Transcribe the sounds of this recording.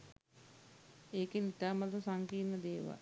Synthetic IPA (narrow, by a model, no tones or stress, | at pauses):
eːkenit̪aːmat̪usaŋkiːnəd̪eːʋa̰